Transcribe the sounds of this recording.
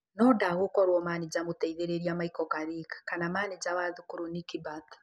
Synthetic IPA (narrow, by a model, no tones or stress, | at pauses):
nɔdaɣokɔɾwɔmaːnid͡ʑamotɛiðeɾeɾiamaikɔkaɾikḁkanamanid͡ʑawaðukuɾonikibatḁ